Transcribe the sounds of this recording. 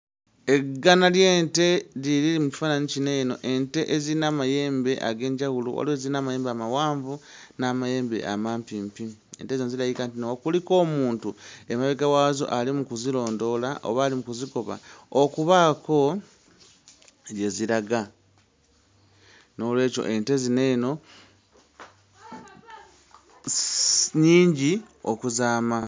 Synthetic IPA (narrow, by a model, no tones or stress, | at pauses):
e̞ɡːanalje̞ːnte̞liɾiimuci̥faːnanicineno̞̰ʔe̞nte̞ʔezinamaje̞ːmbe̞ʔa̰ɡe̞ːɲɟawulṵwa̰leziinaːmaje̞ːmbamawaːɱvu | naːmaje̞ːmbe̞̰ʔa̰maːmpimpiḛntezonziɾajikant̬inokuliko̞ːmuːntue̞maβeɡawaːzo̰ʔalimukuzilo̞ːndo̞laʔo̰βalimukuziko̞βa̰okuβako̞ | je̞ziɾaɡa | no̞lwe̞ːco̞̰ʔe̞nte̞zineno̞ | ɲiːɲɟi | okuzaːma